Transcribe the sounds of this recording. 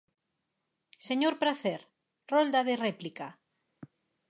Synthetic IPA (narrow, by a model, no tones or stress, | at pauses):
seɲoɾpɾaθeɾ | rɔld̪aðerɛplika